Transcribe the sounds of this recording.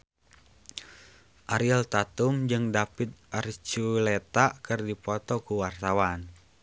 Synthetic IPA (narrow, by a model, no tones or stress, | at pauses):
ʔaɾiɛlt̪at̪umd͡ʒɨŋdapit̪̚ʔart͡ʃulɛt̪akɨrdipɔt̪ɔkuwart̪awan